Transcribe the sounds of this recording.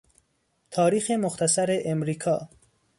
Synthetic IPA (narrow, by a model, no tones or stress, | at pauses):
t̪ʰɒːɾiːxemoxt̪ʰæsæɾeʔemɾiːkʰɒː